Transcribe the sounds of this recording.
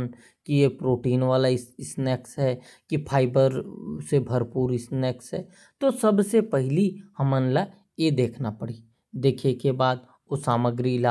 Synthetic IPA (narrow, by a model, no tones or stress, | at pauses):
n | kijepɾoːʈiːnʋaːlaɪɪsnɛːksɦɛ | kipʰaːɪbəɾsebʱɐɾpuːɾɪsnɛːksɦɛ | t̪osɐbsepɛɦɪlihɐmənla | jed̪eːkʰnapɐɽiː | d̪eːkʰekebaːd̪̚ | osaːməɡɾila